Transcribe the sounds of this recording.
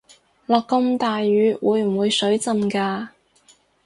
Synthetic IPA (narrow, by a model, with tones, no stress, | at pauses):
lɔː˨˧kːɐ˧mt̪aː˨jɥyː˨˥wuː˨˥jm̩˨˩wuː˨˧jsɵ˨˥ɥt͡sɐ˨˧mkaː˧